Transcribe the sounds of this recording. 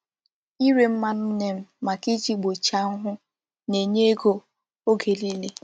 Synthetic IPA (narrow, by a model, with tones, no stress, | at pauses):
i˦ɾe˦m̩˦ma˦nʊ˦ne˦m̩˦ma˨ki˦d͡ʒi˦ɡ͡bo˨t͡ʃa˦ŋ̩˦ɦʊ˦ | ne˨ɲe˦e˦ɡo˦ | o˦ɡe˨li˦le˦